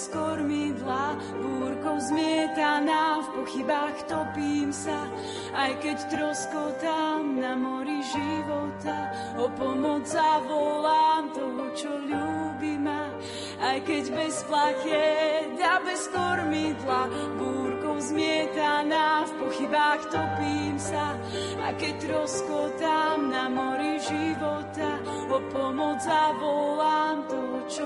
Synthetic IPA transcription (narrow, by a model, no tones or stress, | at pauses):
skɔɾmid̪la | buːɾkɔʊzmɪɛt̪anafpɔxibaxt̪ɔpiːmsa | ajkɛct̪ɾɔskɔt̪amnamɔɾiʒiʋɔt̪a | ɔpɔmɔd͡zzavɔlaːmt̪ɔɦɔt͡ʃɔʎuːbima | ajkɛɟbɛsplacɪɛd̪abɛskɔɾmid̪labuːɾkɔʊzmɪɛt̪anafpɔxibaxt̪ɔpiːmsa | a̰kɛc̚t̪ɾɔskɔt̪amnamɔɾiʒiʋɔt̪a | ɔpɔmɔd͡zzavɔlamt̪ɔt͡ʃɔ